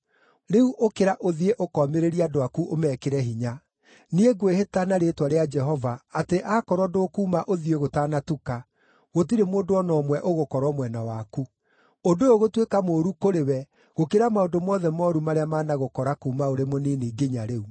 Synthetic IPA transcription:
ɾeuʔokeɾaʔoðieʔokɔmeɾeɾiadoakuʔomɛːkeɾɛɦiɲa | nieɡwehetanaɾetwaɾead͡ʒɛɦɔvaːteʔakɔɾwɔdoːkuːmaʔoðieɣotaːnatuka | ɣot̬iɾemoːndoɔnɔmwɛʔoɣokɔɾwɔmwɛnawaku | ondooɣotwekamoːɾukoɾewɛ | ɣokeɾamaondomɔðɛmɔɾumaɾeamaːnaɣokɔɾakuːmaoɾemoneːneːɡeɲaɾeu

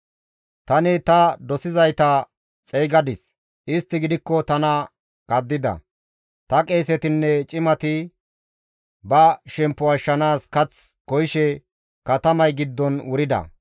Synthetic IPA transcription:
t̪ɐnɪt̪ɐd̪ɔsɪzɐjt̪ɐ | t͡sʼɛjɡɐd̪ɪs | ʔɪst̪ːɪɡɪd̪ɪkːɔt̪ɐnɐ | kɐd̪ːɪd̪ɐ̰ | t̪ɐkʼeːsɛt̪ɪnːɛt͡ʃʼɪmɐt̪ɪ | bɐʃɛmpːʊɐʃːɐnaːskɐt͡skɔjɪʃɛ | kɐt̪ɐmɐjɡɪd̪ːɔnwʊɾɪd̪ɐ̰

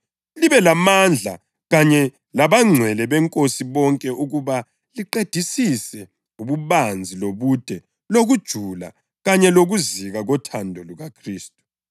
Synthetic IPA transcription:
liβɛlamand͡ɮʱa̰ | ɣaɲɛ | laβaŋ͡ǀʱwɛlɛβɛŋkʼosiβɔŋkʼɛʔuɣuβa | liǃed̥ʱisisɛ | uβuβand͡zʱiloβud̥ʱɛ | loɣud̥ʒ̥ʱula̰ | ɣaɲɛloɣuziɣaɣɔtʰandʱɔluɣakʰriːstʼu̥

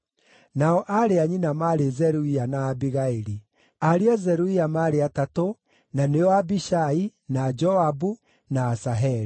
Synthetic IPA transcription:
naɔʔaɾeaɲinamaɾezɛɾuianaːbiɣaeɾi | aɾeɔzɛɾuiamaɾeatato | naneɔabiʃainad͡ʒɔabu | naːsaɦɛɾi

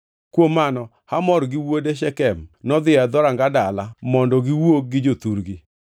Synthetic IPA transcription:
kwomːanɔ | hamɔɾɡɪwodeʃɛkɛmnɔd̪ɪad̪ɔɾaŋɡadalamɔndɔɡɪwok̚ɡɪd͡ʒot̪uɾɡi

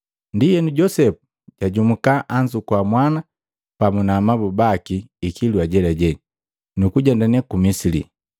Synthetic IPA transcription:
ndijɛnuɟɔsɛpu̥ | ɟ̥aɟumukaʔaɲd͡ʒukwamwana | pamunaːmabubakiikiluaɟɛlaɟɛɲi | nukuɟɛndanɛkumisilḭ

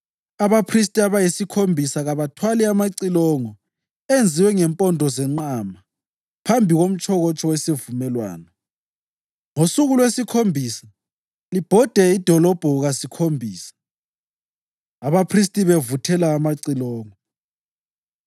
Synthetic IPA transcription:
aβapʰris̬tʼiaβajisikʰombʱisaɣaβatʰwalɛamaǀilɔŋɔ | end͡zʱiwɛŋɛmpʼɔndʱɔzɛŋ͡ǀama | pʰambʱiɣom̩t͡ʃʰʼɔɣɔt͡ʃʼɔwesevumɛlwa̰ːnɔ | ŋosuɣulwesikʰombʱiːsa | lib̥ʱɔd̥ʱɛid̥ʱɔlɔb̥ʱɔɣasikʰombʱiːsḁ | aβapʰris̬tʼiβevutʰɛlaːmaǀilɔːŋɔ

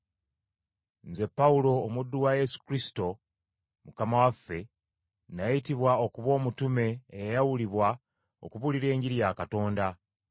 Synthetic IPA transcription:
nze̞pːaulo̞ːmudːuwaje̞su̥kɾisi̥to̞ | mukamawafːe̞ | najajitiβwao̞kuβo̞ːmutume̞ːjajawuliβwa | o̞̰kuβuliɾe̞ːɲɟiɾijaːkato̞ːnda

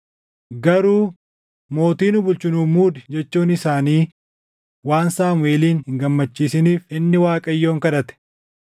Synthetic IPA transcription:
ɡɐɾuː | mo̞ːt̪iːnʊbʊlt͡ʃɪnuːmuːd̪ɛd͡ʒɛt͡ʃːuːnɪsaːniː | waːnsaːmʊeːliːnhɪŋɡɐmːɐt͡ʃːiːsɪniːfɪnːɪwaːkʼɐjːo̞ːŋkɐᶑɐt̪ɛ̥

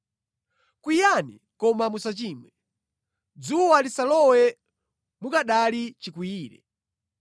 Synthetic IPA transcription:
kwijanḭ | kɔmamusat͡ʃiːmwɛ | d͡zuwalisalɔwɛ | mukaɗalit͡ʃikiiːɾɛ̰

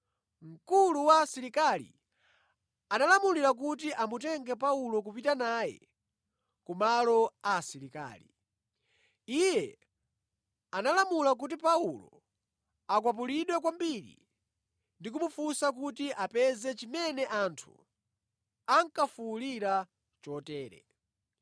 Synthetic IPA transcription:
ŋ̩kuluwasiɾikalḭ | analamuliɾak̬utiʔamutɛŋɡɛp̬aulɔk̬upitanajɛ̰ | kumalɔasiɾika̰ːlḭ | ijɛ | analamulak̬ut̬ipaulɔ̰ | akwap̬uliɗwɛk̬wambiɾḭ | ndik̬umufusak̬utiʔapɛzɛt͡ʃimɛnɛʔantʰṵ | aŋkafuliɾa | t͡ʃɔtɛːɾɛ̰

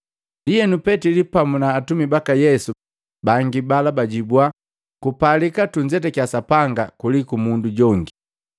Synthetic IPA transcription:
lijɛnupɛtilipamunaːtumibakajɛsu | baŋɡibalabaɟibwa | kupalikatuɲd͡ʒɛtɛkiasapaŋɡakulikumunduɟɔŋɡi

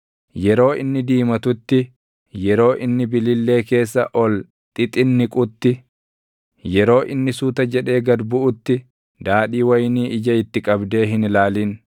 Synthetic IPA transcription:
jɛɾo̞ːɪnːɪd̪iːmɐt̪ʊt̪ːɪ | jɛɾo̞ːʔɪnːɪbɪlɪlːe̞ːke̞ːsːɐʔɔl | t̪ʼɪt̪ʼɪnːɪkʼʊt̪ːɪ | jɛɾo̞ːʔɪnːɪsuːt̪ɐd͡ʒɛᶑe̞ːɡɐd̪bʊʔʊt̪ːɪ | d̪aːɗiːwɐjniːʔɪd͡ʒɐɪt̪ːɪkʼɐbd̪e̞ːɦɪnlaːliːn

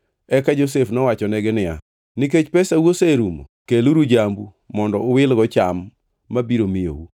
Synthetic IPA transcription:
ɛkad͡ʒos̬efnɔwat͡ʃɔnɛɡɪnɪa̰ | niket͡ʃpɛsawoseɾumo̰keluɾud͡ʒambu | mɔndɔʊwɪlɡɔt͡ʃamː | abiɾomɪjo̰wu

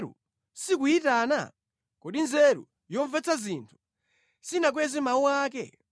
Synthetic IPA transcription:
ɾṵ | sikuitana̰ | kɔɗinzɛɾṵ | jɔɱvɛt͡sazintʰu̥ | sinak̬wɛzimauwaːk̬ɛ̰

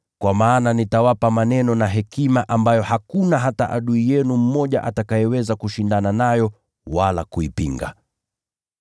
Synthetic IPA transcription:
kwʔamaːnanitawapamanɛnɔnaɦɛkimaʔambajɔhakunaɦataʔa̰ɗuijɛnum̩mɔʄa̰ʔatakajɛwɛzakuʃindananajɔ | wala̰kuipḭŋɡa̰

